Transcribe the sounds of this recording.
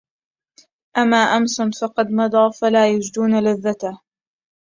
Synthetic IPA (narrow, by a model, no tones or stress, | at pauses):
ʔamːaːʔamsʊnfɑqɑd̪nɑd̪ˤɑːfalaːjʊd͡ʒd̪uːnalaðːat̪a